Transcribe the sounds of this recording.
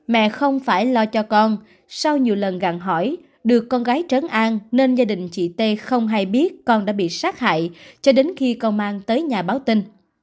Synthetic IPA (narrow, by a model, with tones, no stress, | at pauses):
mɛ̰˧˨xə˧wŋ͡mfaː˧˩jlɔ˧t͡ɕɔ˧kɔ˧n | sa˧wɲi˨˩əwlə˨˩nɣa̰˧˨˩ŋɦɔ˧˩j | ɗɨ˨˩əkːɔ˧nɣaː˨˦jt͡ɕə˨˦nʔaː˧nne˧nzaː˧ɗï˨˩ŋ̟t͡ɕḭ˧˨t̪e˧xə˧wŋ͡mɦa˧jɓi˦˥ət̚kɔ˧nɗa̰ː˧˥ɓḭ˧˨saː˦˥k̚ha̰ː˧˨jt͡ɕɔ˧ɗe˨˦nxi˧kɔ˧nmaː˧ŋt̪əː˨˦jɲaː˨˩ɓaː˨˦wt̪ï˧ŋ